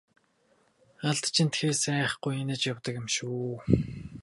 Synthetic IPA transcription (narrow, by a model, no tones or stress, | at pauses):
aɮt̪t͡ɕʰint̪xeːsæːχɡ̥ujenɘ̆t͡ɕjawt̪ə̆kɪ̆mʃuː